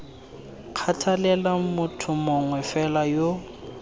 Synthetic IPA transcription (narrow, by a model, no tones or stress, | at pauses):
kʰatʰalɛlamʊtʰʊmɔŋwɛfɛlajo